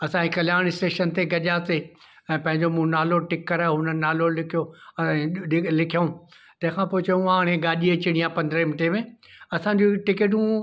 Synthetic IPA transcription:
ɐsãikɐljaːɽ̃ɪsʈeːʃənt̪eɡɐʄaːse | ɛ̃ːpɐ̃ɦɪ̃ɲd͡ʑomũnaːloʈɪkːɐɾaːɦʊnənaːlolɪkʰijoɐɪlɪkʰijəũ | t̪ɐ̃ɦɪ̃kʰãːpoːɪt͡ɕɐjũaːɽ̃ẽɡaːɗiɐt͡ɕɪɽ̃ijãpɐ̃nd̪ɾemɪʈemẽ | ɐsãɲd͡ʑiʈɪkeʈ̬ũ

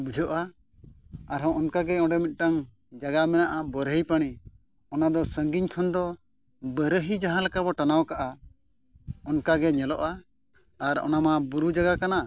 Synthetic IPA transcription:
bud͡ʒʱɔʔa | aɾɦɔ̃ʔɔnkaɡɛɔ̃ɖɛmit̪̚ˀʈaŋ | d͡ʒaɡamɛnaʔabəɾəjpaɽ̃i | ɔnad̪ɔsəŋɡiɲkʰɔnd̪ɔ | bəɾəɦid͡ʒaɦãlakabɔʈanawkaʔa | ɔnkaɡɛɲɛlɔʔaː | ɾɔ̰namabuɾud͡ʒaɡakana

